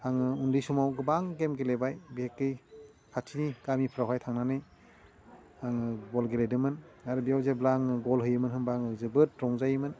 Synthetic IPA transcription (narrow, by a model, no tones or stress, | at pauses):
haŋɯundɯjsumawɡɯbaŋɡemɡelebajbihekːɯj | kʰatʰiniɡamipʰɾawɦajtʰaŋnanɯj | aŋɯɡɔlɡelejdɯmɯnaɾɯbijawzeblaŋɯɡɔlɦɯjɯmɯnɦɯmbaŋɯzɯbɯt̚ɾɔŋzajɯmɯn